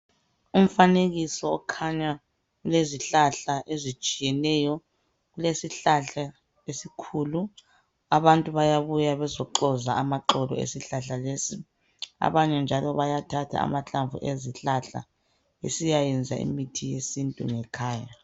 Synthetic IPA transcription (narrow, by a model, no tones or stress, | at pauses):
um̩faneɣisɔːkʰaɲa | ɣuleziɬaɬaʔezit͡ʃʼijɛnɛjɔ | ɣulesiɬaɬa | esikʰulu | aβantʼuβajaβujaβɛzɔǃɔzaamaǃɔlɔ̰ḛsiɬaɬalesi | a̰βaɲɛnd͡ʒʱalɔβajatʰatʰa̰a̰maɬaɱvṵʔeziɬaɬa̰ | esijajɛnd͡zʱaḭmitʰijesintʼṵŋɛkʰaːja